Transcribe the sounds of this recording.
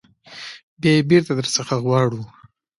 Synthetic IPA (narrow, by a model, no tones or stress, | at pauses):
bjɑjebeɾt̪ad̪əɾsəxaɣwɑɽu